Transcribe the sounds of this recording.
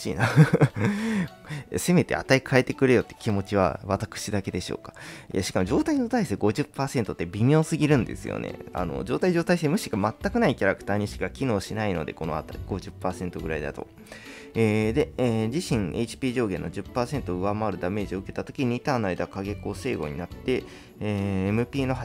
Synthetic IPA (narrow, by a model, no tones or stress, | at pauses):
ḭna | se̞me̞t̪e̞̰a̰t̪aikʰae̞t̪e̞kɯ̟ɾe̞jo̞t̪ːe̥kʲimo̞t͡ɕiβ̞a̰βat̪akɯ̟̥ɕid̪ake̞d̪e̞ɕo̞̰ːkḁja̰ɕi̥kamo̞ʑo̞ːt̪ainoːt̪aiseɡo̞ʑɨpːaːse̞nt̪o̞t̪ːe̞bʲimʲo̞ːsɨɡʲiɾɯ̟̃nd̪e̞̰sɨ̰jo̰nḛa̰no̞̰d͡ʑo̞̰ːt̪aid͡ʑo̞ːt̪aisemɯ̟ɕi̥ɡamat̪ːakɯ̟naikʲaɾakɯ̥t̪aːɲ̟iɕi̥kakʲino̞ːɕinaino̞̰d̪e̞̰ko̞no̞̰a̰t̪aɡ̥o̞ʑɨpːaːsẽ̞nt̪o̞ɡɯ̟ɾa̰id̪a̰t̪o̞̰ | eːd̪e̞eːd͡ʑiɕĩŋe̞it͡ɕi̥pʲiːʑo̞ːɡẽ̞nːo̞d͡ʑɨpːaːsẽ̞nt̪o̞ɯ̟βamaːɾɯ̟d̪ame̞ːʑio̞ɯ̟ke̞t̪at̪o̞kʲiɲ̟it̪aːnaid̪akaɡe̞ko̞ːse̞ːɡo̞̰ɲ̟inat̪ːe̞ | eːmɯ̟pʲiːno̞a